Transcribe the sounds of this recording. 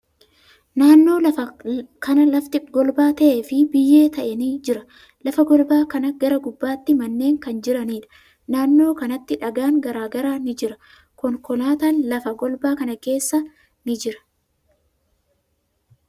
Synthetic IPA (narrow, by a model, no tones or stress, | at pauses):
naːnːo̞ːlɐfɐkɐnɐlɐft̪ɪɡɔlbaːt̪ɐʔefɪbɪjːe̞ːt̪ɐʔɛniːd͡ʒɪɾɐ | lɐfɐɡɔlbaːkɐnɐɡɐɾɐɡʊbːaːt̪ːɪmɐnːe̞ːŋkɐnd͡ʒɪɾɐniːᶑɐ̥ | naːnːo̞ːkɐnɐt̪ːɪᶑɐɡaːŋɡɐɾaːɡɐɾaːnɪd͡ʒɪɾɐ | kɔŋkɔlaːt̪aːnlɐfɐɡɔlbaːkɐnɐke̞ːsːɐ | nɪd͡ʒɪɾɐ̥